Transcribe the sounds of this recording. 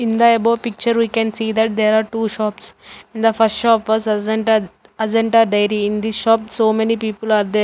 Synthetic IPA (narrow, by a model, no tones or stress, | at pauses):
ɪ̃nd̪ɐɐboːpik̚t͡ʃəɾʋiːkɛ̃nsiːd̪æʈ̚d̪eːɾaːɾʈuːʃɔːpsɪ̃nd̪ɐfɐsʈʃɔːpʋɔːzz̃ɳʈa | ɐzə̃ɳʈaːɾɖaɪjɾiɪ̃nd̪isʃɔːpsoːmenipiːpəlaːɾd̪eːɾ